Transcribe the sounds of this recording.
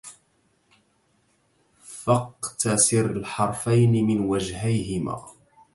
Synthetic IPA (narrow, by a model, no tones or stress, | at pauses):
fɑqt̪asɪɾalħɑɾˤfajnɪmɪnwad͡ʒɦajɦɪma̰ː